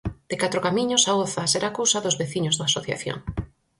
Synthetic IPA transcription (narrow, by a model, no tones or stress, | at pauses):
d̪̥ekat̪ɾokamĩɲʊsaoθaseɾakowsɐðʊzβeθiɲozðaːsoθja̰θjo̰ŋ